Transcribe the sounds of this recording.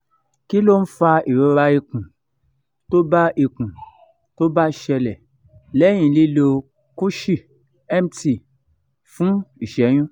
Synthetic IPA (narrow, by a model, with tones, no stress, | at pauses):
ki˦lo˦n̩˦fa˧i˨ɾo˨˧ɾa˧i˧kũ˨ | to˦ba˦ʔi˨kũ˨ | to˦ba˦˨ʃɛ˧lɛ˨ | lɛ˦j̃ĩ˨li˦lo˧ | ku˦ʃi˦˨ | ɛ˦m˨ti˨ | fũ˨˦i˨ʃɛ˨˦j̃ũ˦